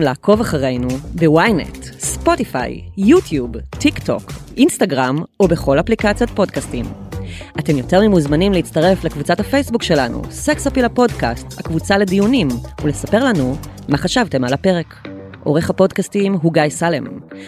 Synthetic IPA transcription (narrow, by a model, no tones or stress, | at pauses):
mlaːkʰo̞vaχaʁe̞jnubewajnḛtspo̞tifa̰jːutʰjubtːikto̞̰kʔinstaɡʁamobe̞χo̞laplikat͡sijot̚po̞dkastimʔate̞mjo̞te̞ʁmimuzmanimleit͡stɐʁe̞flekvut͡sathafe̞jsbukʃe̞lanṵseksapilapo̞dkastha̰kvut͡sale̞dijunimulesape̞ʁlanumaχaʃavte̞malape̞ʁe̞k | ʔo̞ʁe̞χhapo̞dkastimɦuɡajsalḛm